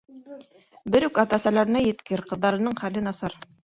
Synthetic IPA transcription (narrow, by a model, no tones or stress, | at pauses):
bɘɾʉkɑt̪ɑsælæɾɘ̆næjɘ̆t̪kɘɾqɤ̆ðːɑɾɤ̆nɤɴχælɘnɑsɑɾ